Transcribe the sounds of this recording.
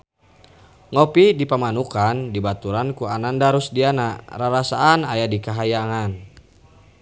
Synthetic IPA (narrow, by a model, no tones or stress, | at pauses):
ŋɔpidipamanukandibat̪uɾankuanandaɾusdianaraɾasaːnajadikaɦajaŋan